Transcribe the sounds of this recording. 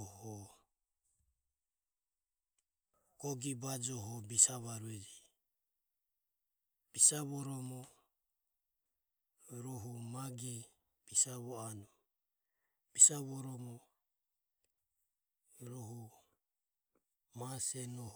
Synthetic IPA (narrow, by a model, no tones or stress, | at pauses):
hɔ | ɡ̥ɔɡibad͡ʒɔɦɔbisaβaɾuɛd͡ʒi | b̥isaβɔɾɔmɔ | ɾɔɦumaɡi | b̥isaβɔanɔ | b̥isaβɔɾɔmɔ | ɾɔɦu | masɛnɔ